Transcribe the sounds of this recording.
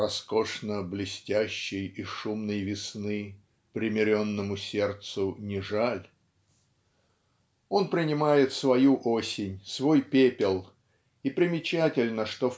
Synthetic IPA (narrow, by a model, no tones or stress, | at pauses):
rɐsko̞ʂnəblʲɪsʲtʲæɕːɪjiʂumnəjvʲɪsnɨ | pɾʲɪmʲɪɾʲo̞nːəmʊsʲe̞rt̪sʊnʲɪʐalʲ | o̞npɾʲɪnʲɪmajɪt̪svɐjuʔo̞sʲɪnʲsvo̞jpʲepʲɪlˠ | ipɾʲɪmʲɪt͡ɕætʲɪlʲnəʂt̪o